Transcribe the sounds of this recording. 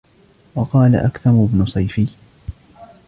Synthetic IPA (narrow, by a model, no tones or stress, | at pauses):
wɑqɑːla̰ʔakθɑmʊbnʊsˤɑjfɪj